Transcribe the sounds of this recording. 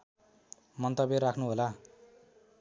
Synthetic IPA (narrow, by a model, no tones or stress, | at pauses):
mʌnt̪ʌberakʰnuɦola